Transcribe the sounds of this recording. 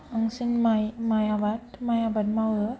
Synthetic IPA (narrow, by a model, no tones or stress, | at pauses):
aŋsinmajmajabatmajabat̚mawɯ